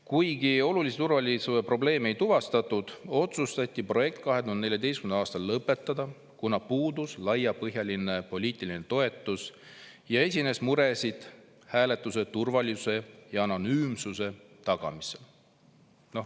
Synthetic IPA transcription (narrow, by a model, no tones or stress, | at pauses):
kujɡio̞luliset̪urvɑlʲisuepro̞ble̞ːmejt̪uvɑst̪ɑt̪ːˑud̪̥o̞t̪sust̪ɑt̪ʲˑːipro̞je̞k̚t̪̚kɑɦe̞d̪und̪neljɑd̪e̞jskynɑːst̪ɑlːɤpːe̞t̪ːˑɑd̪̥ɑ | kunɑpuːd̪uslɑjɑpɤɦjɑlʲine̞po̞lʲiːt̪ʲːˑiline̞t̪o̞e̞t̪ːˑus | jɑe̞sʲine̞smuɾe̞sid̪̥ | hæːle̞t̪ːˑuse̞t̪urvɑlʲiuse̞jɑɑno̞nyːmsuse̞ | t̪ɑɡ̥ɑ̰mise̞l | no